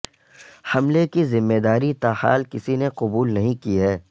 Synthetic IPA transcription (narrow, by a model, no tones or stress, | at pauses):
hɐmlekizɪmːeːd̪aːɾit̪aːha̰ːlkɪsineqʊbuːlnɐɦĩkiɦɛː